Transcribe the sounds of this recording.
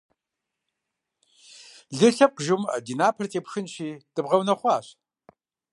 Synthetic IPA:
ɮɨɬɐp̚qʒɨmɐ̰diːnaːpʰɐrtʼeːpxɨnʃiːtʼɨbʁɐwnɐχʷɑːɕ

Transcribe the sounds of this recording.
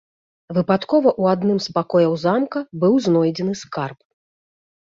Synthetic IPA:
vɨpat̪kɔvɐʔuad̪nɨmspakɔjɐwzamkɐbɨwznɔjd͡zʲɛnɨskarp̚

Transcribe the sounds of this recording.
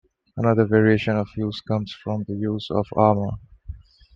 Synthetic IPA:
ənʌðəvɛɹieʃə̃nɔv̥juz̥kʌ̃msfɹɔ̃mðəjuːzɔ̰vamə

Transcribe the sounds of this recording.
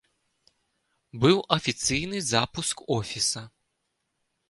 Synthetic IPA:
bɨwʔɐfʲit̪sɨjnɨzapuskɔfʲisɐ

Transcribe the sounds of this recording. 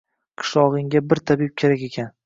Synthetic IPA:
qʰɨ̥ʃlˠɒʁɨŋɡʲabɪɾt̪ʰabɪp̚kʲʰe̞ɾakʲe̞kʲʰan

